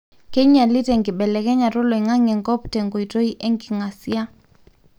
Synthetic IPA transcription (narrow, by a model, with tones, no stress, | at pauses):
ke˦ɲa˨lɪ˦tɛ˨ŋɡɪ˨ɓɛ˨lɛ˨kɛ˦ɲa˨ɾɔ˦lo˨i˨ŋa˦ŋɛ˨ŋɡɔ˦ptɛ˨ŋɡo˨i˨to˦i˦ʔɛ˦ŋɡɪ˨ŋa˨si˦a˦